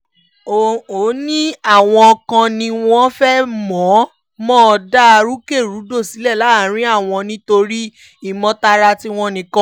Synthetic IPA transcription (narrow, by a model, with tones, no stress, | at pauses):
o˨o˨˦nĩ˦a˦˨w̃ɔ̃˧kã˧nĩ˧w̃ɔ̃˦fɛ˦mɔ̃˨˦ | mɔ̃˦ɔ˧da˦a˧ɾu˦ke˦˨ɾu˨˦do˦˨si˨˦lɛ˦˨la˨˦˨ɾ̃ĩ˦a˦˨w̃ɔ̃˧nĩ˧to˧ɾi˦ | i˦˨mɔ̃˧ta˧ɾa˧ti˦w̃ɔ̃˧nĩ˨kã˦